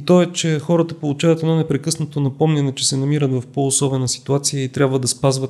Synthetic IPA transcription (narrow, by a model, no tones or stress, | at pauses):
t̪ɔɛt͡ʃɛxɔɾət̪əpolˠut͡ʃavɐt̪ɛd̪nɔnɛpɾɛkɤsnət̪onɐpɔmnɛnɛt͡ʃɛsɛnɐmiɾət̪vɐfpoːsɔbɛnəsi̥t̪uat̪sijəit̪ɾʲjabvəd̪ɐspazvət̪